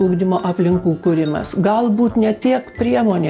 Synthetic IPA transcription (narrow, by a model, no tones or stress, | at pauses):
ʊːɡd̪ʲɪmoːʔɐpʲlʲɪŋkuːkʊɾʲɪmɐ̰sɡɐlˠbuːt̪nʲɛt̪ʲiɛkpʲɾʲiɛmoːnʲeː